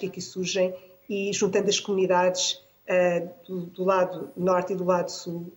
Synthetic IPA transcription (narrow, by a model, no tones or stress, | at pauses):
kɐkisuɾʒɐ̃j̃ | iʒũnt̪ɐ̃nd̪ɐʃkumuniðaðʃ | ɛd̪uðulˠaðunɔɾt̪iðulˠaðusulˠ